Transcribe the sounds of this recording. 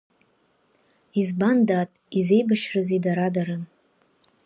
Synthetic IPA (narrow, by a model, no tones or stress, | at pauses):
izbandatʼize̞jbaʃrɨzidaɾadaɾɨm